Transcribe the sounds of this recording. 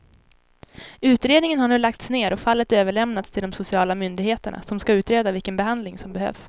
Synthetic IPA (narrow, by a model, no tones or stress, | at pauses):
ʉ̟ːt̪ɾeːd̪nɪŋənhaɳʉːlak̚t̪sneːɾɔfalːət̪øːvəɭɛmnat̪st̪ʰɪld̪ɔmsʊsɪɑːlamʏnd̪ɪɡheːt̪əɳa̰sɔmskaʉ̟ːt̪ɾeːd̪avɪlkənbɛɦand̪lɪŋsɔmbɛhø̰ːvs